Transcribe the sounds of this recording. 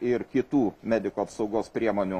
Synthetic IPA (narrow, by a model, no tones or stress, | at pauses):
ɪɾkʲɪt̪uːmʲæːd̪ʲɪkuːɐpsɒʊɡoːspʲɾʲiɛmoːnʲu